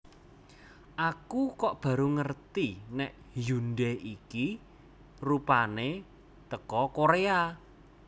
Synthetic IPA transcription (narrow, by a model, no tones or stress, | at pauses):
ʔakukɔʔb̥a̤ɾuŋərt̪inɛʔ | junɖɛʔiki | rupane | t̪əkɔkoɾea